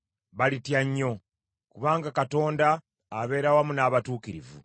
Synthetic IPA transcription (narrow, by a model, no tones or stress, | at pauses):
βalitjaɲːo̞ | kuβaːŋɡakato̞ːndaː | βe̞ːɾawamunaːβatuːkiɾivṵ